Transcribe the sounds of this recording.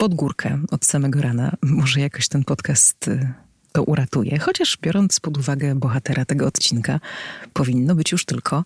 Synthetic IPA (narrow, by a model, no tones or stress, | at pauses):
pɔd̪ɡuɾkʰɛɔt̪samɛɡɔɾʔana̰mɔʐɛjakɔɕt̪ɛnpɔt̪kast̪ː | ɔʔuɾʔat̪ujɛ̰xɔt͡ɕaʐbʲjɔɾɔnt̪spɔd̪uvaɡɛbɔxat̪ɛɾʔat̪ɛɡɔːt̪t͡ɕinkapɔvʲinːɔbɘt͡ɕjuʂt̪ɘlkʰɔ